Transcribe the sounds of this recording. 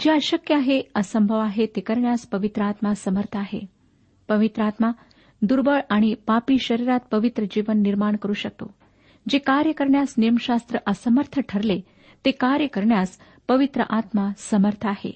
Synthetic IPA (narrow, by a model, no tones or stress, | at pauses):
d͡ʒeaʃəkjəaɦeəsəmbʱəʋaɦet̪ekəɾɳjaspəʋit̪ɾəat̪masəməɾt̪ʰaɦḛ | pəʋit̪ɾəat̪ma | d̪uɾbəɭaɽ̃ipapiʃəɾiɾat̪̚pəʋit̪ɾəd͡ʒiʋənːiɾmaɳ̃kəɾuʃək̚t̪o̰ | d͡ʒekaɾjəkəɾɳjasnijəmʃast̪ɾəʔəsəməɾt̪ʰəʈʰəɾle | t̪ekaɾjəkəɾɳjas | pəʋit̪ɾə̰ʔat̪masəməɾt̪ʰaɦḛ